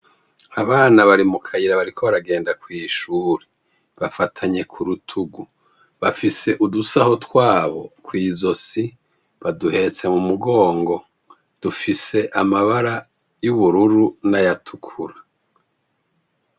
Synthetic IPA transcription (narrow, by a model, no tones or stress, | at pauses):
aβaːnaβaɾimukʰajiɾaβaɾikʰo̞βaɾaɡe̞ːndakwiːʃuːɾe | βafatʰaɲe̞kʰuɾutʰuɡu | βafise̞ʔudusaho̞tkwaːβo̞̰kwiːzo̞si | βaduhe̞t͡se̞mumuɡo̞ːŋɡo̞ | d̥ufise̞ʔamaβaɾa | juβuɾuɾunajatʰukʰuɾa